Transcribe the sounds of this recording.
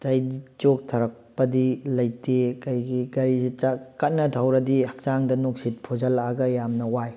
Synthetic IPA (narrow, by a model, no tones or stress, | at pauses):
tɐjit͡ʃok̚tʰɐɾɐk̚pɐdilɐjtekɐjɡiɡɐɾizit͡ʃakɐt̚nɐdʰʱawɾɐdihɐk̚t͡ʃaŋdɐnoksit̚pʰod͡ʒɐlaɡɐjamnɐwaj